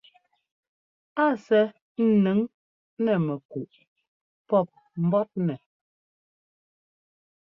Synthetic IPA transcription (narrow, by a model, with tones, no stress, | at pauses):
a˦˨sɛ˦ | n̩˨nɛ˨˦ŋ | nɛ˨mɛ˨ku˨ʔ | pɔ˦˨p̚ | m̩˦bɔ˦p̚nɛ˨